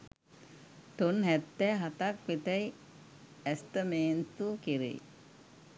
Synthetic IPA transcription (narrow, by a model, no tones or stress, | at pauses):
t̪onɦæt̪ːɛːɦat̪ak̚ʋit̪ɛj | æst̪əmeːnt̪ukiɾḛ